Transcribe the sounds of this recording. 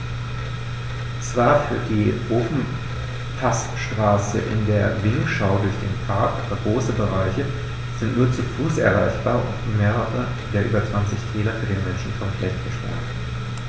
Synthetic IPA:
t͡sv̥aːɐfyːɐdiːʔoːfn̩ | pʰastʃtʁ̥aːsə̰ʔɪ̰ndeːɐvɪŋkʃaʊdʊɐçd̥ḛːnpʰaɐkʔaːbɐɡʁoːsəbəʁ̞aɪçə | z̥ɪntnuːɐt͡sufuːsʔɛ̰ɐʁaɪçb̥aːɐʊ̰ntmeːʁəʁə | d̥eːɐʔyːbɐt͡sv̥ant͡sɪçkʰɛːlɐfyːɐdeːnmɛnʃn̩kʰɔmplɛçtɡ̥əʃpa̰ːn

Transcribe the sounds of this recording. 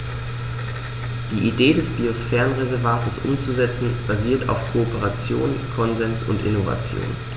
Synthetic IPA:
d̥iːʔideːdɛsb̥iosfɛːʁənʁezɛɐvaːtʰəsʔʊ̰mt͡suzɛt͡sn̩b̥aziːɐtʰa̰ʊfkʰoːpəʁat͡sjo̰ːnkʰɔnzɛnsʊ̰ntʔɪ̰nova̰t͡sjo̰ːn

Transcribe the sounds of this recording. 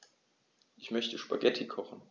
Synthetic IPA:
ʔɪçmœçtəʃpaɡɛtʰikʰɔχn̩

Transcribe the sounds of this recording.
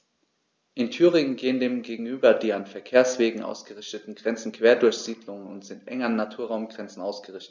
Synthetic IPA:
ʔɪntʰyːʁɪŋənɡeːəndeːmɡeːɡŋ̩yːbɐdiːanfɛɐkʰeːɐsv̥eːɡŋ̩ʔa̰ʊsɡ̥əʁɪçtətn̩ɡʁɛnt͡sn̩kv̥eːɐdʊɐçz̥iːdlʊŋənʊntz̥ɪntʔɛ̰ŋɐnːatʰuːɐʁaʊmɡʁɛnt͡sn̩ʔaʊsɡ̥əʁɪçtət

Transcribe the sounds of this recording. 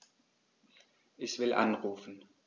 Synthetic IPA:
ʔɪçv̥ɪlʔa̰nʁuːfn̩

